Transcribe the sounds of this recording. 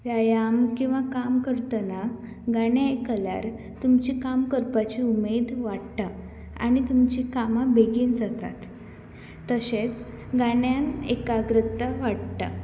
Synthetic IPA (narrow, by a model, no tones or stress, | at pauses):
jajamkĩw̃ʋakamkəɾt̪əna | ɡaɽ̃jaekəla̰ɾ | t̪umt͡ɕikamkəɾpat͡ɕiumed̪ʋaɽt̪a | a̰ɽ̃it̪umt͡ɕikamabʱeɡind͡zat̪a̰t̪ː | əɕet͡s | ɡaɳjanekaɡɾət̪ːəʋaɽt̪a̰